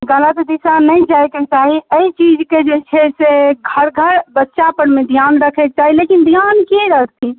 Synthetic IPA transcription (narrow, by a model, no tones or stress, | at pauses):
ɡələt̪d̪isanəid͡ʒaeket͡ʃaɦiəit͡ʃid͡ʒked͡ʒet͡ʃʰɛseɡʱəɾɡʱəɾbətːʃapəɾmẽd̪ʱjanɾəkʰɛkt͡ʃaɦilekind̪ʱijankiɾət̪ʰi